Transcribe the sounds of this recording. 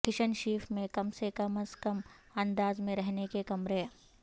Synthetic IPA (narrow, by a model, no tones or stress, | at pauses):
kɪʃənʃiːfmẽkɐmsekɐməskɐm | ɐ̃nd̪aːzmẽɾɛɦnekekɐmɾeː